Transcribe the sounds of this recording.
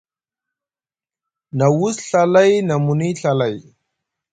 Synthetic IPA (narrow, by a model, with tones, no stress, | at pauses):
na˨wu˦sɬa˦la˦jna˨mu˨ni˦ɬa˨la˨j